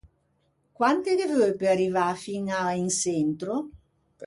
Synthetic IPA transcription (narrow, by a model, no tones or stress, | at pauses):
kwant̪ɪd̪evøpearivafinainsent̪ɾo